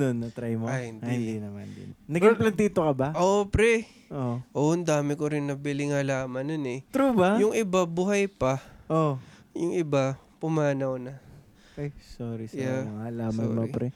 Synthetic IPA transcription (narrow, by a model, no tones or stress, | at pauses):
nonːɐt̪ɾajmoɐjhɪnd̪ind̪inɐmɐ̰nd̪ɪ̰nnɐɡɐplɐd̪iːt̪okɐbaʔopɾɛ | ʔoʔoɐnd̪aːmɪkoɾɪnːɐbɪlɪŋɐlaːmɐnonɛt̪ɾubajʊŋʔɪbabuhɐjpɐʔo | jʊŋʔɪba | pʊmaːnɐwnɐ | ʔojsoːɾisjaɐŋalaːmɐnopɾɛ